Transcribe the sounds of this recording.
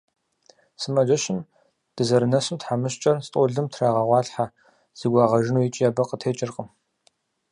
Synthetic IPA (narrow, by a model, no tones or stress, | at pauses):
sɨmɐʒʷɐʃɪn | d̥ɨzɐɾɨnɐsɨmtħamɨɕt͡ʃʼɐrstʼɔɮɨmtʰraːʁɐʁʷɑːɬħa | z̥ɨɡʷɑːʁɐʒɪnujɪt͡ʃʼijaːbɐqətʰeːt͡ʃʼɪrqʼəm